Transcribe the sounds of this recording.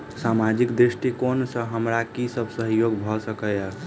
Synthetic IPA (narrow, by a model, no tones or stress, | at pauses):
samad͡ʒikd̪ɾiʃʈikonsə̃ɦəmɾakisəbʱsəɦjoɡbʱɔsəkəa